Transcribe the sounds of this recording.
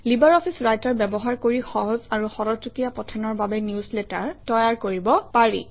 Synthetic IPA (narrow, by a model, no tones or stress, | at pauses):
libaɹɔpʰisɹajtɔɹbɛbɔɦaɹkoɹixɔɦɔzaɹuxɔɹɔtukijapɔtʰanɔɹbabɛniusletaɹtɔjaɹkoɹibɔpaɹḭ